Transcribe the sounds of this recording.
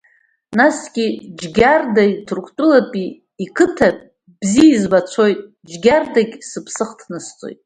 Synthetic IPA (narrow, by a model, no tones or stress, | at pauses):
nasɡʲid͡ʒɡʲardajitʰrkʷʰtʼʊlapʼiː | kʰɨtʰapʼ | b̥ziizbat͡sʷʰo̞jtʼ | d͡ʒɡʲardaɡʲsɨpʰsɨχtʰnɨst͡sʼo̰jtʼ